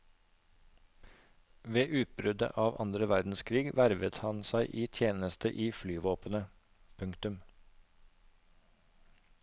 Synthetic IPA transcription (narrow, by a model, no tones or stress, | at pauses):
ʋeːʔʉːt̪̚bɾʉd̪ə̰ʔɑːʋʔɑ̰nd̪ɾəʋæɾd̪n̩skʰɾiːɡʋæɾʋət̪hɑnsæɪʔiːt̪ʰjeːnəst̪əʔiːflyːʋoːpənə | pʰʉŋkt̪ʉm